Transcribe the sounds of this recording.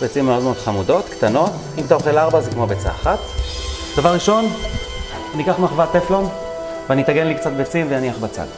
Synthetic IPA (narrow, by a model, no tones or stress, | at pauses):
bet͡simeo̞d̪meo̞d̪̥χamudo̞t̪kt̪ano̞t̪ | imt̪aoχelaʁbazekmo̞bet͡sa̰aχat̪d̥avaʁːiʃo̞n | anikaχmaχvat̪eflon | veanit̪aɡenlikt͡sat̪̚bet͡simvejaniaχbat͡sa̰l